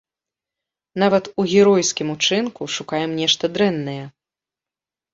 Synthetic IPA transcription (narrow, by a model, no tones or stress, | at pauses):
navɐt̪uɣʲɛɾɔjskʲimut͡ʂɨnkuʂukajɛmnʲɛʂt̪ɐd̪ɾɛnːɐjɛ